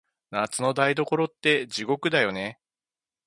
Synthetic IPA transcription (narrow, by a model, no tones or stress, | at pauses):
nat͡sɨno̞d̪aid̪o̞ko̞ɾo̞t̪ːe̞d͡ʑiɡo̞kɯ̟d̪ajo̞ne̞